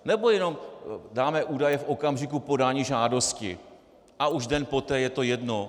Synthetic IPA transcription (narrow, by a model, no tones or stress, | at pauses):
nɛbo̞jɛno̞mdaːmɛʔuːdajɛfʔo̞kamʒɪkupo̞daːɲiːʒaːdo̞scɪ̰ | ʔauʒdɛnpo̞t̪ɛːjɛt̪o̞jɛdno̞